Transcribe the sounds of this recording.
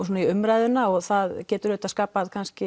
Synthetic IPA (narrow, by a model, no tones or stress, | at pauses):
suːnaiʏmɾajðʏnaɔɣθaðcɛːt̪ʏɾʏht̪askaːpaðkʰanscɪ